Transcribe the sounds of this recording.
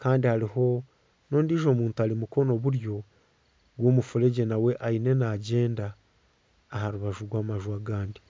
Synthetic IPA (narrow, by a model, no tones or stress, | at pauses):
kʰaːndihaɾiho̞ | no̞ːndiːʒo̞ːmuːntualimuko̞no̞βuɾjo̞ | ɡwo̞ːmufuɾeɟe̞nawe̞ʔaine̞naːɟe̞ːndaː | haɾuβaʒuɾwaːmaʒwaɡaːndi